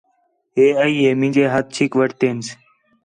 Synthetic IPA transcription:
eəiemid͡ʑeːɦɐt̪̚t͡ɕʰikʋəʈt̪eːns

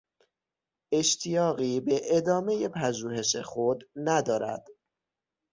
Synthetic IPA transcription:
e̞ʃt̪ʰijɒːɣiːbe̞ʔed̪ɒːme̞jepʰæd͡ʒuːhe̞ʃexod̪næd̪ɒːɾæ̰d̪̥

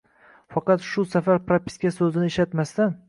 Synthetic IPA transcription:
fɑqɑt̪ʃʊsafaɾpɾapʰʲɪ̥skʲasɵzɪnɪeʃat̪mast̪an

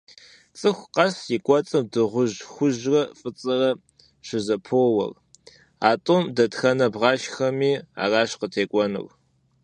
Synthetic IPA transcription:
t͡sʼɨxʷqɐsjɪkʷʼɔt͡sʼɐmdɨʁʷʊʒxʷʊʒrɐfʼɨt͡sʼɨrɐ | ɕɪzɐpʰoːwɐ̰r | aːtʼomdɐtxɐnɐbʁɑːʃxɐmiːa̰ːraːɕqətʰeːkʷʼɔnɨ̰r

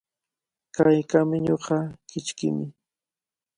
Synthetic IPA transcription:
kajkamɪɲoɢɑkɪt͡ʃkɪ̰mɪ

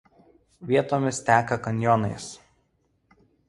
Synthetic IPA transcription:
ʋʲiɛt̪oːmʲɪst̪ʲæːkɐkɐnʲjɔnɐɪs

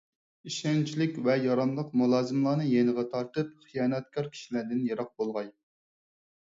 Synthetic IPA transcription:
iʃɛnt͡ʃʰilɪkʲvɛjɑɾɑmlˠəqmulˠɑːzɨmlˠɑːnɨjenɨʁɛt̪ʰɑɾt̪ɨp̚χijɑːnɛt̪̚kʰɑɾkʲʰi̥ʃilæːd̪ɪnjeɾɑq̚bolˠʁɑj

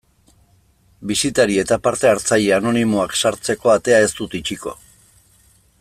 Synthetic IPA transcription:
bisit̪aɾie̞t̪apaɾt̪e̞aɾt͡saʎeano̞nimoaksaɾt͡se̞ko̞at̪e̞ae̞st̪ut̪it͡ʃiko̞̰

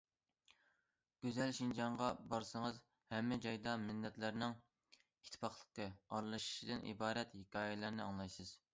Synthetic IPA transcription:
ɡ̥ʲøzɛlʃind͡ʒɑɴʁɑbɑɾsɨŋɨz | hɛmːɛd͡ʒɑjd̪ɑmɪnːɛt̪lɪɾnɪŋ | it̪ʰːɪ̥pɑχlˠəqəɑɾlˠɨʃi̥ʃid̪ɨnʔḭbɑːɾɛt̪hikʲʰɑːjɪlæɾnɪɑŋlˠɑjsɨz̥

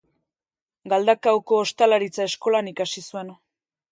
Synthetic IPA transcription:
ɡald̪akawko̞ːst̪alaɾit͡sae̞sko̞lanikasisue̞n

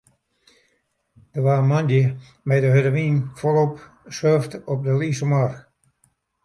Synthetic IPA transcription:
d̥ərʋaːəmandjə | mɛjdəɦøɾəʋiːnkʰɔlˠop | søftɔp̚dəliːsəmɔr

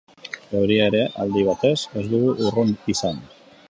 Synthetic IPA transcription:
ɡewɾiaeɾeʔald̪iβ̞at̪ezezðuɣuʔuronisan

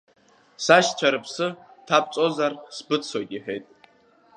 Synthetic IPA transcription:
saʃt͡ʃʷʰaɾɨpʰsɨtʰap̚ʰt͡sʼo̞zarsbɨt͡sʰojtʼiħᶣe̞̰jtʼ

